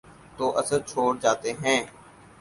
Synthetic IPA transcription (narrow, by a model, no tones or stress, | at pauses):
t̪oːʔɐsəɾt͡ʃʰoːɽd͡ʒaːt̪eɦɛ̃ː